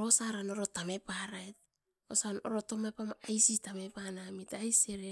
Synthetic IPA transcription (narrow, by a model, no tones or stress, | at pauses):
ɾosaɾanoɾo̞tame̞paɾaet̚ | o̰sano̰ɾo̞tomapamaajsitame̞panamitajseɾe